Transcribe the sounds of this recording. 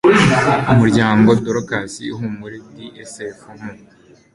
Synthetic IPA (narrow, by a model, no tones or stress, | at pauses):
umuɾɟaːŋɡodoɾokasḭuɦumuɾediʔesefumu